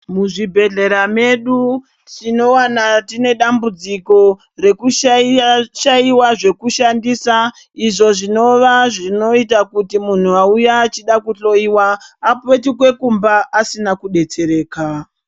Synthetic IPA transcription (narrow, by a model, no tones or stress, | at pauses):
muʐibʱe̞ɮe̞ɾame̞ɗu | tino̞wanatine̞ɗambud͡ziko̞ | re̞kuʃ | ʃaiwaʐe̞kuʃandiːsa | iʐo̞ʐino̞ʋaʐino̞itakutimun̤uaujaːt͡ʃiɗakuɬo̞iwaːpe̞tik̬we̞kumbaːsinakuɗe̞t͡se̞ɾe̞ːka